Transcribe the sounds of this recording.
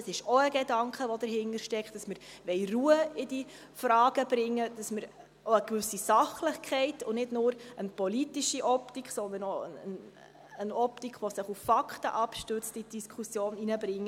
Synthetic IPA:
əsɪʃɔəɡedɑŋkχəʋɔd̥̪əɾɦɪndəɾʃtɛkχd̥ɑsməɾʋɛɪruəɪdi | frɑːɡ̥əb̥ɾɪŋːəd̥ɑsmɪɾ | oəkʋʏsisɑχləχkʰɛɪtʊnɪdnʊːɾənpɔlitiʃiʔɔptikχsɔnd̪əɾnoəən | ənɔptikχʋɔsɪχuffɑkχtəʔɑpʃtʉt͡stid̥iskʰusjoːninəbɾɪŋːə

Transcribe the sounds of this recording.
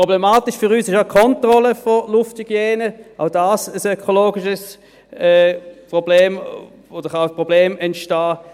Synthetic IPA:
pʁoblemaːtɪʃfʏʁyːsɪʃaʊkʰɔntʁɔləfolʊfthyɡ̥jɛːnəʔaʊdaːsəsøkʰoloːɡɪʃəs | ɛːpʁobleːm | od̥əχaspʁob̥leːmɛntʃtaː

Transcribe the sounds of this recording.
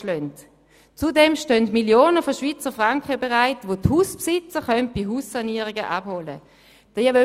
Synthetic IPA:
lœnt | t͡sudɛmʃtœntmiljoːnəfɔʃʋit͡səfʁaŋkχəbɛʁaɪtʋothuspsɪt͡səχœnt̚b̥iɦuːssaniːəʁiɡəʔabholə̰ | d̥jɛø

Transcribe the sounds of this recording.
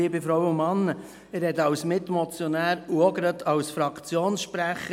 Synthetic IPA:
iːbifɾɔwʊmɑnːə | ɪɾhɛt̪ɑwsmɪt̪mɔt͡sjɔnæːɾuəɡəɾətʰɑwsfɾɑkʰt͡sjoːnsʃpɾæχə

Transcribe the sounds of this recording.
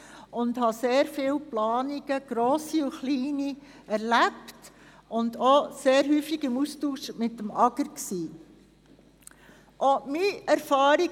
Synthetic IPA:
ʔʊndhɑseːɾfɪːlplɑːniɡ̥əɡ̥ɾɔːsiʊχliːni | ɛɾlæpt | ʊndoseːɾɦyːfiɡɪmustuːʃmɪtːəmɑɡəɾksiː | ʔɔmiæɾfɑːɾi

